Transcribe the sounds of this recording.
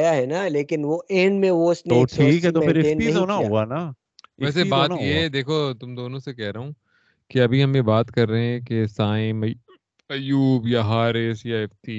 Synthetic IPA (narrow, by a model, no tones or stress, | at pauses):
jaɦɛnaleːkɪnʋoʔẽːɳɖmẽʋoɪsnoːsʈʰiːkɦɛt̪omɛ̃pɪɾɪeːniɐɦiõːnaɦoːɡana | ɛːsebaːtjeɦd̪eːkʰot̪ʊmd̪oːnõsekɛɦɾɐɦõː | keɐbʱiɦɐmjebaːt̪kɐɾːɐɦeɛ̃kesaːɪ̃m | ɐjuːbjaɦaːɾɪsjaɪft̪iː